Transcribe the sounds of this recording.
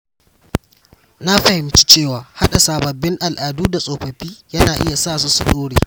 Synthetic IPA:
na˦ɸɐ˨hɪ˨mt͡ʃi̥˦t͡ʃeː˦˨waː˨ha˦ɗa˨saː˨bɐ˨bːɪ˦ŋʔa˨lʔaː˨duː˦da˨sʼoː˨ɸɐ˨ɸiː˦jɐ˦naː˨ʔɪ̰˦ja˨saː˦˨su˦su˨ɗoː˦ɽeː˨

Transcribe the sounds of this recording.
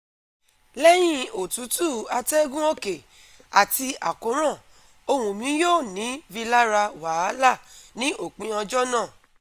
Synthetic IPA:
lɛ˦j̃ĩ˦o˨tu˨˦tu˦˨a˧tɛ˦ɡũ˦o˦ke˨ | a˨ti˧a̰˨ko˨˦ɾ̃ã˦˨ | o˧hũ˧mĩ˨˦joː˦˨nĩ˨˦vi˧la˦ɾa˧wa˨˦la˦˨nĩ˦ʔo˦˨k͡pĩ˨˦ɔ̃˧d͡ʒɔ˦nãː˦˨

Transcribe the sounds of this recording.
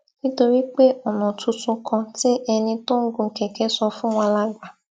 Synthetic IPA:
ni˦to˧ɾi˦k͡pe˦ɔ˨nɔ˨tu˧tu˧kʰɔ̃˧tɪ˦ʔɛ˧nĩ˧to˦ŋ̩˦ɡu˧ŋ̩˨ke˨ke˦sɔ˧fʊ̃˦ŋʷa˧la˦ɡʷa˨

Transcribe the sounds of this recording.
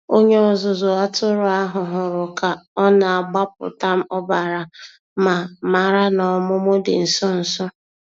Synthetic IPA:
o˦ɲe˦ɔ˨zʊ˨zʊ˨a˦tʊ˦ɾʊ˨a˦ɦʊ˨ɦʊ˨ɾʊ˨ka˨ɔ˦na˨a˨ɡ͡ba˦p̚ʊ̰˨ta˦m̩˦ɔ˦ba˨ɾa˨ | ma˨ma˨ɾa˦nɔ˨mʊ˦mʊ˦dɪ̰˨n̩˨sɔ˦n̩˨sɔ˦

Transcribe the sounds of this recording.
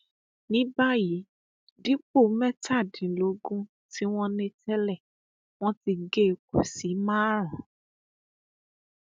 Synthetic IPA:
nĩ˦ba˦ji˨˦ | di˦k͡po˦˨˦mɛ˦ta˦˨dĩ˨lo˨˧ɡũ˦ | ti˦w̃ɔ̃˦nĩ˧tɛ˦lɛ˦˨ | w̃ɔ̃˦ti˧ɡe˦˨˧ko˨si˨˦mãː˦ɾ̃ã˨˦

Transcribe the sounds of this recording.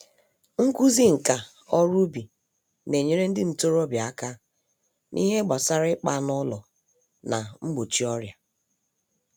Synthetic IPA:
ŋ̩˦ku˦zi˦ŋ̩˨ka˨ | ɔ˦ɾu˦bi˨ | ne˨ɲe˦ɾe˦n̩˦dɪ˦n̩˨to˦ɾo˦bja˦ka˦ | nʔḭ˦ɦe˦ɡ͡ba˨sa˦ɾɪ˦k͡pa˦nʊ˦lɔ˨ | na˨ŋ͡m̩˦ɡ͡bo˨t͡ʃi˦ɔ˦ɾja˨

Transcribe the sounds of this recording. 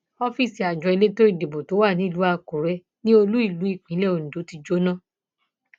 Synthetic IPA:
ɔ˧fi˦˨si˨a˨d͡ʒɔ˧i˧le˦to˦i˦˨de˨bo˨to˨˦wa˦˨nĩ˨˦˨lu˨˦a˧ko˨ɾɛ˧ | nĩ˦o˧lu˦i˦˨lu˨˦i˦˨k͡pĩ˨˦lɛ˦˨o˨ñ̩˨do˨˦ti˧d͡ʒo˦nã˦˨

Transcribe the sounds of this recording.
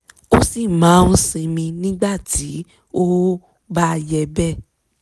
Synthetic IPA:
o˦si˦˨mã˨˦ñ̩˦sĩ˧mĩ˧nĩ˦ɡ͡ba˦˨tʰi˨˦ | o˦ | ba˦˧jɛ˧bɛ˦˨

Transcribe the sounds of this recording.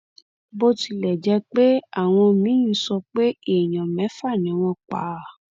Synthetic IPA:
bo˧ti˧˨lɛ˨d͡ʒɛ˧˦k͡pe˦a˦˨w̃ɔ̃˧mĩ˨˦ĩ˦sɔ˧k͡pe˦e˦˨j̃ɔ̃˨mɛ̃˨˦fa˦˨nĩ˨˦w̃ɔ̃˧k͡pa̰˨˦˨

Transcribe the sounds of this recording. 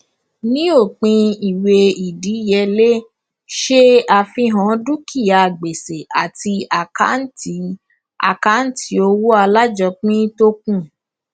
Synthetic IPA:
nĩ˦o˦˨k͡pĩ˧i˨we˧i˨di˨˦jɛ˧˦le˦ | ʃe˦a˧fĩ˧ɦɔ̃˨˦du˦kʰi˦˨ja˨ɡ͡be˨se˨a˨ti˧a˨ka̰˨˦n̩˦ti˨˦ | a̰˨ka˦n̩˦ti˧˦o˧wo˦a˧la˦d͡ʒɔ˧k͡pĩ˦to˦kũ˦˨

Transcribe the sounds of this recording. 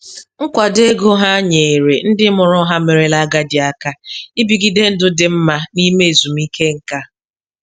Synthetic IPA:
ŋ̩˦kʷa˨de˦ɡo˦ɦa˦ɲe˨e˨ɾe˨n̩˦dɪ˦mʊ˨ɾʊ˦ɦa˦me˨ɾe˨la˦ɡa˦dɪ˨a˦ka˦i˦bi˨ɡi˦de˦n̩˦dʊ˦dɪ˨m̩˦ma˦ni˦me˦e˨zu˨mi˦ke˦ŋ̩˨ka˦

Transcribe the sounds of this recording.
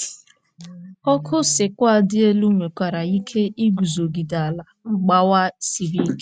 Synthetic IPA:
ɔ˦kʰʊ˦sɪ˨kʷa˦˨dɪ˦e˦lu˦ŋʷe˨kʷa˨ɾa˨i˦kʰe˦i˦ɡu˨zo˨ɡi˨da˨a˨la˨ŋ͡m̩˦ɡ͡ba˦wa˦si˨ɾi˦

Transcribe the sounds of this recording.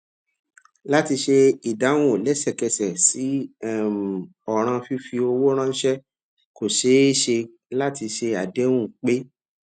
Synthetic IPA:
la˦ti˧ʃe˧i˨da˨˦w̃õ˦˨lɛ˨˦sɛ˦˨kɛ˧sɛ˨si˨˦˨m˨ | ɔ˦˨ɾ̃ã˧fi˦fi˧o˧wo˦ɾ̃ã˦n̩˦ʃɛ˦ | ko˨ʃe˨˦e˦ʃe˧ | la˦ti˧ʃe˧a˨de˨˦wũ˦˨k͡pe˦

